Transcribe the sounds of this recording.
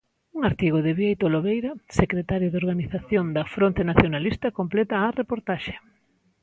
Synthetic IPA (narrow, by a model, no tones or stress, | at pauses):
uŋaɾt̪iɣoðɪβjejt̪oloβejɾɐsekɾet̪aɾjoðoɾɣaniθaθjond̪ɐfɾont̪enaθjonalist̪ɐkomplɛt̪ɐːrepoɾt̪aʃe̥